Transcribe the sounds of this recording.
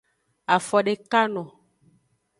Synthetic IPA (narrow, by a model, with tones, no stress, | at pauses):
a˨fɔ˨ɖe˨ka˦nɔ̃˨